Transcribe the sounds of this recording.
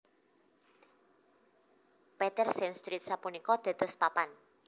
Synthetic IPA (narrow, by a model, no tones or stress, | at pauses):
pɛt̪ɛrsɛnst̪ɾit̪̚sapunikɔd̪̥a̤d̪̥ɔ̤spapan